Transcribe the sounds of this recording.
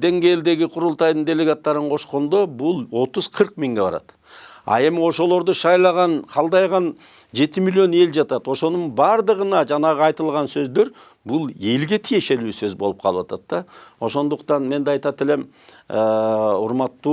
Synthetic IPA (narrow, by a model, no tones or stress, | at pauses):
d̪e̞ŋɡʲe̞jld̪e̞ɡʲɪqʰʊɾʊlˠt̪ɑjd̪ənd̪e̞le̞ɡat̪ːɑɾəɴqʰo̞ʃqo̞nd̪obʊlˠwo̞t̪ʊzqʰəɾq̚miŋɡʲe̞bɑ̰ɾɑ̰t̪ | ɑ̰e̞mɪwo̞ʃo̞lˠo̞ɾd̪əʃɑjlˠɑʁɑnqʰɑlˠd̪ɑjʁɑn | ʒe̞t̪ɪmilʲijo̞ne̞lʒɑt̪ɑt̪wo̞ʃo̞nəɴbɑɾd̪əʁənɑʒɑnɑʁəɑjt̪əlˠʁɑnsɵzd̪e̞ɾ | bʊlˠe̞lɡʲe̞t̪ʰije̞ʃe̞lusøzbo̞lˠəp̚qʰɑlˠəwɑt̪ʰɑt̪ːɑwo̞so̞nd̪ʊqt̪ɑnme̞nd̪eɑjt̪ɑt̪ɪle̞m | əʊɾmɑt̪ːu